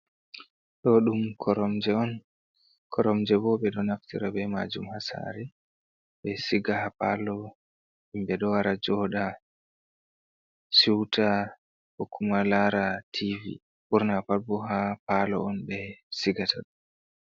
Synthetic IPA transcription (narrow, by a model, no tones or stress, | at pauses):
ɗɔɗumkʰɔɾɔmd͡ʒɛɔn | kʰɔɾɔmd͡ʒɛbɔɓɛɗɔnaftḭɾabɛma̰d͡ʒumhasa̰ɾɛ | ɓɛsiɡahapalɔ | imbɛɗɔwaɾad͡ʒɔɗa | suwtʰa | hokʰːumalaɾatʰivḭ | ɓuɾnapalbɔɦapalɔ̰ɔnbɛsiɡatʰaɗu